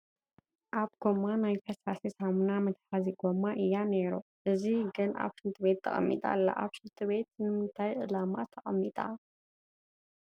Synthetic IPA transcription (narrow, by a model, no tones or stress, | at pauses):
ʔaβɡo̞mːanajkʰɐsasisamunamɨt̪ħaziɡo̞maʔɨjːaneɾuʔɨziɡɨna̰βʃɨnt̪ʰɨβe̞t̪̚ːʰɐ̰χʼɐ̰mːḭt̪ʼa̰lːa̰ʔa̰βʃɨnt̪ʰɨβe̞t̪̚nɨmɨnt̪ʰajʔɨlamat̪ʰɐχʼɐmːit̪ʼa̰